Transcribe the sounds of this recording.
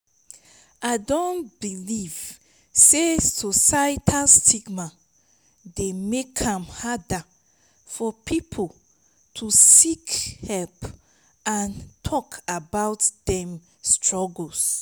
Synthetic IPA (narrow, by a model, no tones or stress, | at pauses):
aɪdɔ̃nb̥iliv̥ | sesosaitʰastʰiɡma | demekʰãmhada | fɔpʰipʰol | tʰusikhɛlp | ãntʰɔkabaʊtdɛ̃m | stʰɹɔɡs